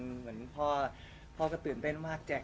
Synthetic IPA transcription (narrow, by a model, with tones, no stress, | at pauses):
nmɯ˩˦ənpʰɔː˧˥˩ | pʰɔː˧˩kɔ˧˥˩t̪ɯː˨˩nt̪e˥˩nmaː˥˩k̚t͡ɕɛː˨˩